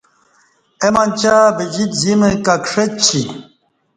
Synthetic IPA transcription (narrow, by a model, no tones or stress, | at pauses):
emant͡ɕabed͡ʑit̪zimekakʂet͡ɕʰi